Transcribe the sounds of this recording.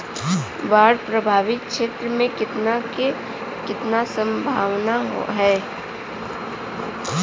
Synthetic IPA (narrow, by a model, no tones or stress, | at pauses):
ʋaːɽpɾəbʱaːʋɪk̚kʃeːt̪ɾəmẽkɪt̪nake | kɪt̪nasə̃mbʱaːʋnaɦɛː